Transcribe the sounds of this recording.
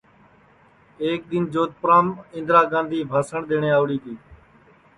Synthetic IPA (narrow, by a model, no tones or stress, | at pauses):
eːk̚d̪ɪnd͡ʒoːt̪̚pəɾãːmɪ̃nd̪ɾaːɡãːnd̪ʱiːbʱaːsəɳɗ̪eːɳeːaːʋɽiːt̪ʰiː